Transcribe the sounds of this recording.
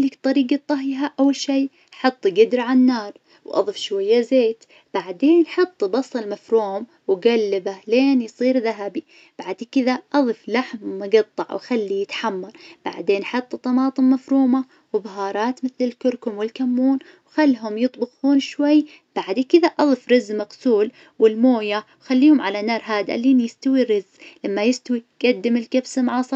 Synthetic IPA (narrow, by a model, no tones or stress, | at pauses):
lɪkt̪ˤɑɾiːɡat̪ˤːɑɦjɦaʔawːalʃiː | ħɨt̪ˤːɡɪd̪ɾʕanːɑːɾˤ | wʔɑ̰ðˤɨfʃwajːazeːt̪ | b̥aʕd̪eːnʔħɑt̪ˤːbɑsˤɨlmafɾuːm | wɡalːɪbaleːnjsˤiːɾðaɦabi | b̥aʕd̪kɪðaʔɑðˤɨflaħmmʊɡɑt̪ˤːɑʕwʔaxalːijɪt̪ħamːɑɾˤb̥a̰ʕd̪eːnħɑt̪ˤːt̪ˤːɑmɑːt̪ˤɨmːafɾuːma | wɪbaɦɑːɾˤɑːt̪mɪθlɪlkʊɾkʊmwɪlkamːuːn | wxalːɦʊmjɨt̪ˤbɪɣuːnʃwajː | b̥aʕd̪kɪðaʔɑðˤɨfɾɪzːmɑqsuːl | wɪlmoːjawxalːiːhʊmʕalanɑːɾˤɦaːd̪a̰liːnjɪst̪awiɾɪzlamːajɪst̪awiɡ̥ad̪ːɪmɪlkabsɪmʕɑːsˤɑɾ